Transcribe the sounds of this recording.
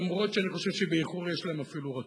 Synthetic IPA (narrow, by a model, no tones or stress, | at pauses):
mʁo̞tʃeaniχo̞ʃevʃebeiχuʁjeʃlaemafiluʁa